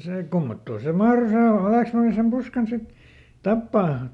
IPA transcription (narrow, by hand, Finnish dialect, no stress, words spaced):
seː kumːotːoː se mɑhro se hɑleˑksmɑnːi sem puskɑn sit tɑpːɑː